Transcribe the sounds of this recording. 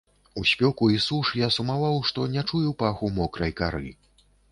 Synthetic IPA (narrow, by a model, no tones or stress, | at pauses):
usʲpʲɔkuisuʂjasumavawʂt̪ɔnʲat͡ʂujɛwpaxumɔkɾɐjkaɾɨ̰